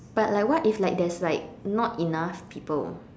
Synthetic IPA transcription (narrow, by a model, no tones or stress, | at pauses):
b̥at̚lajkwɔtiflajk̚dɛslaɪk̚nɔtinafpʰipə̰l